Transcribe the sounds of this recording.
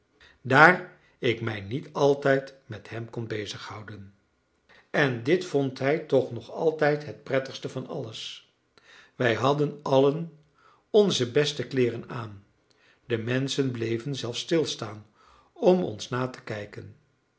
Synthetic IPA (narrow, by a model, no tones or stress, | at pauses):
daːr | ɪkmɛjnitɑlˠtɛjtmɛthɛmkɔnbejzəχhʌwdən | ɛndɪtfɔntɦɛjtɔχnɔχɑlˠtɛjtɦət̚prɛtəχstəvɑnɑ̰ləs | ʋɛjɦɑdənɑlən | ɔnzəbɛstəklɪːrənaːn | dəmɛnsənblejvənzɛlˠfstɪlˠstaːn | ɔmɔ̰nsnaːtə̥kɛjkən